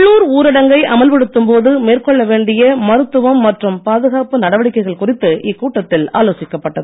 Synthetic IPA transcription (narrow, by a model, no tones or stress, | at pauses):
ɭːuːɾuːɾɪɽɐŋɡɐɪʔɐmɐlpɛɽɯt̪ːɯmpoːðɯmeːrkɔɭːɐʋeːɳɖɪjɐmɐɾɯt̪ːɯʋɐmːɐʈrɯmpaːðɯɣaːpɯnɐɽɐʋɐɽɪkːɐɪɣɐɭkʊrɪt̪ːɯʔɪkːuːʈːɐt̪ːɪla̰ːloːsɪkːɐpːɐʈːɐðɯ